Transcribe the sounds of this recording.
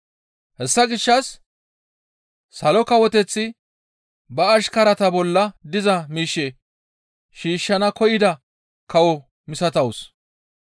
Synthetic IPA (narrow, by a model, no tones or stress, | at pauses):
hɛsːɐɡɪʃːɐs | sːɐlɔkɐwɔt̪ɛt͡sːɪ | bɐːʃkɐɾɐt̪ɐbɔlːɐd̪ɪzɐmiːʃːɛ | ʃiːʃːɐnɐkɔjɪd̪ɐ | kɐwɔ | mɪsɐt̪ɐws